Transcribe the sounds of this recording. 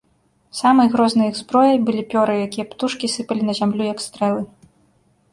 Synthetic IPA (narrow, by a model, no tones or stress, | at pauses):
samɐjɣɾɔznɨjiɣzbɾɔjɐjbɨlʲipʲɔɾɨjakʲijɐpt̪uʂkʲisɨpɐlʲinɐzʲamlʲujɐkst̪ɾɛlˠɨ